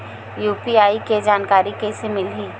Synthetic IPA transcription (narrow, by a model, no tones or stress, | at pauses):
juːpiaːiked͡ʒaːnkaːɾikesemɪlɦiː